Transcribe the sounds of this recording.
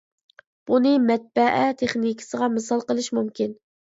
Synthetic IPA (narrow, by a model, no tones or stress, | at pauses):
b̥unɨmɛt̪̚bæʔæt̪ʰeχnikʰʲɪ̥səʁɑmɨsɑlˠqəlˠɨʃmumkʲin